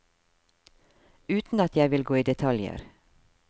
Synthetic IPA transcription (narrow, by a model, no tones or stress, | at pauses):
ʉːt̪n̩ɑt̪jæɪʋɪlɡoːiːd̪ɛt̪ʰɑljə̰ɾ